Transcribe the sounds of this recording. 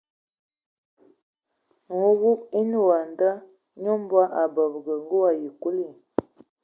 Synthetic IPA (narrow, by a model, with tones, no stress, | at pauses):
ŋu˦wu˦ki˦n˦˨wa˨nda˦ | ɲo˦m˦bwa˦ʔa˨bə˨bɡə˨ŋ˦ɡu˦wa˨ji˨ku˦li˦˨